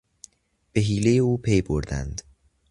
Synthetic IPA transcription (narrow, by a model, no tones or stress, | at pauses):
b̥e̞ɦiːle̞jeuːpʰejboɾd̪æ̰nd̪̥